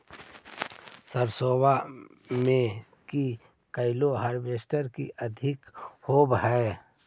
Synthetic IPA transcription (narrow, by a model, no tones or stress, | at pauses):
səɾsoːbamẽ | ki | kəɪloɦəɾbeːʃʈəɾkḭʔəd̪ʱɪkhoːbɦɛː